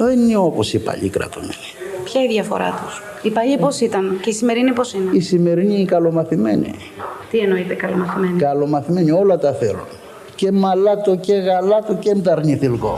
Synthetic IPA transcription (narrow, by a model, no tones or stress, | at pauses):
ðenio̞posipɐ̰ʎḭkɾɐ̰t̪umḛli̥pçɐiðʝɐfo̞̰ɾɐ̰t̪u̥s | ipɐʎipo̞sit̪ɐnceisime̞ɾinipo̞sineisime̞ɾiniːkɐlo̞mɐθime̞̰ɲḭ | t̪ieno̞it̪ekɐlomɐθimenikɐlo̞mɐθime̞ɲio̞lɐt̪ɐθe̞lṵn | ce̞mɐlɐt̪oce̞ɣɐlɐt̪oce̞mt̪ɐɾɲiθilko̞̰